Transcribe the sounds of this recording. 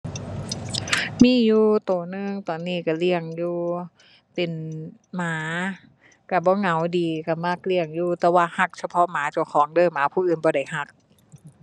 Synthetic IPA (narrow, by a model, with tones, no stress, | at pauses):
miː˧˥˨juː˧t̪oː˨˩nɯ˧˩ŋt̪ɔː˨˩nːiː˧˥˩ka˧˩li˧˩əŋjuː˧ | p̪e˨nmaː˨˦ | ka˧˩bɔː˧˦ŋa˨˩˦wdiː˨ka˧˩ma˧˩˨k̚li˧˩əŋjuː˧˨t̪ɛː˧waː˧˨ha˧˩k̚sʰa˧pʰɔ˧˥ʔmaː˨˦t͡ɕu˧˩kʰɔː˨˦ŋdɤː˧˥˨mːaː˨˦pʰuː˧˨ʔɯː˨˩˨nbɔː˧da˧˩jha˧˩k̚